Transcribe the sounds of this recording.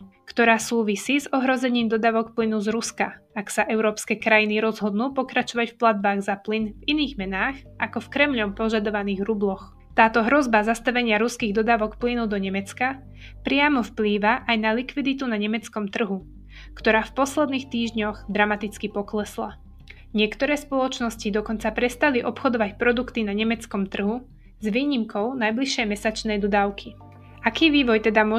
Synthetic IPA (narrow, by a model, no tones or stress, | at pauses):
kt̪ɔɾaːsuːʋisiːzɔɦɾɔzɛɲiːmd̪ɔd̪aːʋɔkplinuzɾuskaaksaʔɛʊɾɔːpskɛːkɾajiniɾɔzɦɔd̪nuːpɔkɾat͡ʃɔʋacfplad̪̚baːɣzaplinviniːɣmɛnaːxʔakɔfkɾɛmʎɔmpɔʒad̪ɔʋaniːɣɾublɔx | t̪aːt̪ɔɦɾɔzbazast̪aʋɛɲɪaɾuskiːɣd̪ɔd̪aːʋɔkplinud̪ɔɲɛmɛt͡ska | pɾɪamɔfpliːʋaʔajnalikʋid̪it̪unaɲɛmɛt͡skɔmt̪r̩ɦu | kt̪ɔɾaːfpɔslɛd̪niːxt̪iːʒɲɔɣd̪ɾamat̪it͡skipɔklɛsla | ɲɪɛkt̪ɔɾɛːspɔlɔt͡ʃnɔscid̪ɔkɔnt͡sapɾɛst̪aliʔɔpxɔd̪ɔʋacpɾɔd̪ukt̪inaɲɛmɛt͡skɔmt̪r̩ɦu | zʋiːɲimkɔʊnajbliʃːɛjmɛsat͡ʃnɛjd̪ɔd̪aʊkʰi | akiːʋiːʋɔjt̪ɛd̪amʊɔ